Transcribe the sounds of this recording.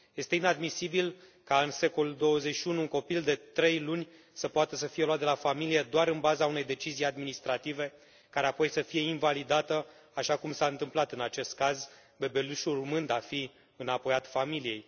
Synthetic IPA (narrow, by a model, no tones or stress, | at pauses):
je̞st̪e̞inad̪misibil | kaɨnse̞ko̞luld̪o̞wəze̞t͡ʃʃiunuːŋko̞pild̪e̞t̪ɾe̞jlunʲ | səpoat̪əs̬əfijelwat̪̚d̪elafamilije̞d̪oaɾɨnbazaune̞jd̪e̞t͡ʃizijad̪minist̪ɾat̪ive̞ | kaɾe̞apo̞jsəfije̞invalid̪at̪ə | aʃakumsaɨnt̪ɨmplat̪ɨnat͡ʃe̞st̪̚kaz | be̞be̞luʃulrumɨnd̪afi | ɨnapo̞jat̪familije̞j